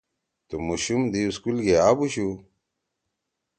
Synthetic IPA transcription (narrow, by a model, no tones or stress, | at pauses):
t̪umuɕumd̪iuskulɡeabuɕu